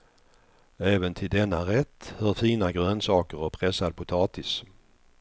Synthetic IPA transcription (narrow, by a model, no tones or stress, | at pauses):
ɛːvənt̪ʰɪld̪ɛnːaɾɛt̪ːhœːɾfiːnaɡɾœːnsɑːkəɾɔpʰɾɛsad̪̚pʰʊt̪ʰɑːt̪ɪs